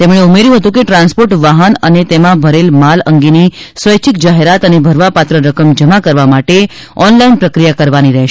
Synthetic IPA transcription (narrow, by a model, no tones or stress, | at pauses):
t̪emɳ̃eumeɾjũɦət̪ũkeʈɾãnspoɾʈʋaɦənənet̪emãbʱəɾelmaləŋɡeni | sʋəjt͡ʃʰikd͡ʒaɦeɾat̪ənebʱəɾʋapat̪ɾəɾəkəmd͡ʒəmakəɾʋamaʈe | ɔnlainpɾəkɾijakəɾʋaniɾɛɦʃ